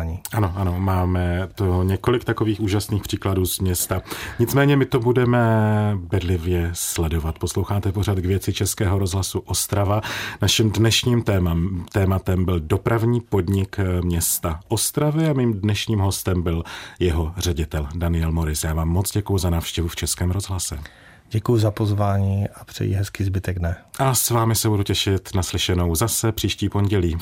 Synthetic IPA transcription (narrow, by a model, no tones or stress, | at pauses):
ɲiʔano̞ʔano̞maːmɛt̪oɲɛko̞lɪkt̪ako̞viːxuːʒasniːxpr̝̥iːkladuːzmɲɛst̪aɲɪt͡smɛːɲɛmɪt̪o̞budɛmɛbɛdlɪvjɛslɛdo̞vat̪̚po̞slo̞wxaːt̪ɛpoɾ̝at̪ɡvjɛt͡sɪt͡ʃɛskɛːɦo̞ɾo̞zɦlasuʔo̞st̪ɾavanaʃɪmdnɛʃɲiːmt̪ɛːmat̪ɛmbɪldo̞pɾavɲiːpo̞dɲɪkmɲɛst̪aʔo̞st̪ɾavɪamiːmdnɛʃɲiːmɦo̞st̪ɛmbɪljɛɦo̞r̝ɛɟɪt̪ɛldanɪjɛlmo̞ɾɪsjaːvaːmːo̞t͡sɟɛkujʊzanaːfʃcɛvuft͡ʃɛskɛːmɾo̞zɦlasɛ̰ | ɟɛkujuzapozvaːɲiːʔapr̝̥ɛ̰jḭɦɛskɪzbɪt̪ɛɡnɛʔasvaːmɪsɛbuducɛʃɪt̪naslɪʃɛno̞wzasɛpr̝̥iːʃciːpo̞nɟɛliː